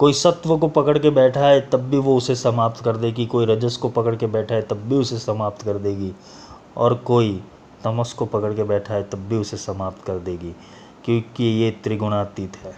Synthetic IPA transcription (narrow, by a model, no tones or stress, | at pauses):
koːisɐt̪ʋəkopɐkəɽkebɛːʈʰaet̪ɐbːʱiʋoʊsesɐmaːp̚t̪kɐɾd̪eːɡikoːiɾɐd͡ʒəskopɐkəɽkebɛːʈʰaet̪ɐbːʱiʊsesɐmaːp̚t̪kɐɾd̪eːɡi | ɔ̰ːɾkoːi | t̪ɐməskopɐkəɽkebɛːʈʰaːet̪ɐbːiʊsesɐmaːp̚t̪kɐɾd̪eːɡi | kjõːkijet̪ɾiɡʊnaːt̪iːt̪ɦɛː